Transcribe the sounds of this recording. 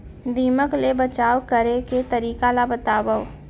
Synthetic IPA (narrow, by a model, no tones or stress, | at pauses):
d̪iːməklebət͡ʃaːwkəɾeket̪əɾiːkalabət̪aːbəw